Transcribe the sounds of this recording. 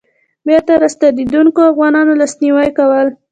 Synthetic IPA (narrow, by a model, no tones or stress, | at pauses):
bjɑt̪aɾast̪ad̪id̪uŋkoafɣɑnɑnolɑsniwajkawəl